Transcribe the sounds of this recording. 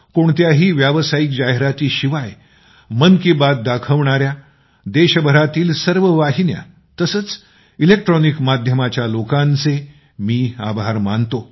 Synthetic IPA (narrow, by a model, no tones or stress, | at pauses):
koɳt̪jaɦiːʋjaʋsajik̚d͡ʑaɦɾat̪iːɕiʋaj | mənkibat̪̚d̪akʰəʋɳaɾja | d̪eɕəbʱəɾat̪iːlsəɾʋəʋaɦinja̰ | t̪əsət͡s | ilek̚ʈɾɔnikmad̪ʱjəmat͡ɕjalokãnt͡se | miːa̰bʱaɾmant̪o